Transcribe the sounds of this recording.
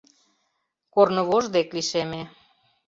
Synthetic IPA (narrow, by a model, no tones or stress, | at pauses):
kornə̆βoʒd̪ekliʃeme